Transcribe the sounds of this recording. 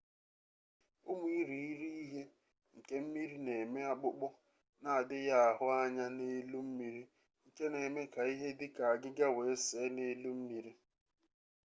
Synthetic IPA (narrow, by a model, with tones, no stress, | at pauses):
ʊ˦mu˦i˦ɾi˨i˦ɾi˦i˦ɦe˦ | ŋ̩˨ke˦m̩˦mi˦ɾi˦ne˨me˦a˦k͡pʊ˦k͡pʊ˦ | na˨a˨dɪ˦ja˦a˨ɦʊ˦a˦ɲa˦ne˦lu˦m̩˦mi˦ɾi˦ | ŋ̩˨ke˦ne˨me˦ka˨i˦ɦe˦dɪ˦ka˨a˨ɡɪ˦ɡa˦we˨e˦se˨˦ne˦lu˦m̩˦mi˦ɾi˦